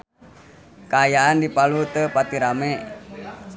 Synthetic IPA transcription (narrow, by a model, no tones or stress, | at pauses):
kaːjaʔandipalut̪əpat̪iɾamɛ